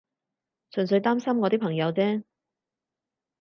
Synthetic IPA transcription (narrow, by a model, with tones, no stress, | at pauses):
sɵ˨˩nsɵ˨˧ɥt̪aː˥msɐ˥mŋɔː˨˧t̪iː˥pʰɐ˨˩ŋjɐ˨˧wt͡sɛː˥